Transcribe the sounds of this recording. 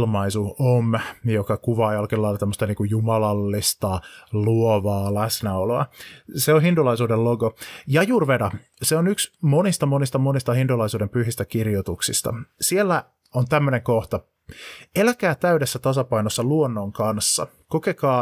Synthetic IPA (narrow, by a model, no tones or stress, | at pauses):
lmɑisuomjokɑkuʋɑːjɑlkilːɑilɑt̪emːost̪ɑniːŋkujjumɑlɑlːist̪ɑluoʋɑːlæsnæoloɑseonɦindulɑisuːdelloɡojɑjuːrʋedɑ | seonyksmonist̪ɑmonist̪ɑmonist̪ɑhindulɑisuːdempyhist̪ækirjot̪uksist̪ɑ̰sielːæ | ont̪æmːøneŋkoht̪ɑ | elækæːt̪æydesːæt̪ɑsɑpɑinosːɑluonːoŋkɑnsːɑ̰ | kokekɑː